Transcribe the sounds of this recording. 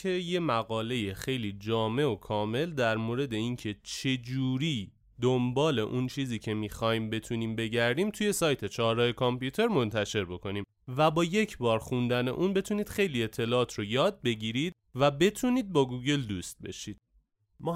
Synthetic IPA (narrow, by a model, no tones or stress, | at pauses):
eje̞mæɣɒːle̞jexejliːd͡ʒɒːme̞o̞kʰɒːme̞ld̪æɾmoːɾe̞d̪e̞incʰe̞t͡ʃʰe̞d͡ʒuːɾiː | d̪ombɒːle̞ʔunt͡ʃʰiːziːcʰe̞miːxɒːhiːmbe̞t̪ʰuniːmbe̞ɟæɾd̪iːmt̪ʰuje̞sɒːjt̪ʰe̞t͡ʃʰɒːɾɒjekʰɔmpjuːt̪ʰe̞ɾmo̞nt̪ʰæʃe̞ɾbo̞kʰo̞niːm | væbɒːje̞cʰbɒːɾxund̪æne̞̰ʔunbe̞t̪ʰuniːd̪̥xe̞jlie̞t̪ʰːe̞lɒːɒːt̪ʰɾojɒːd̪̚be̞ɟiːɾid̪̥̚ | væbe̞t̪ʰuːniːd̪̚bɒːɡuːɡe̞ld̪uːst̪̚be̞̰ʃid̪̥̚ | mɒː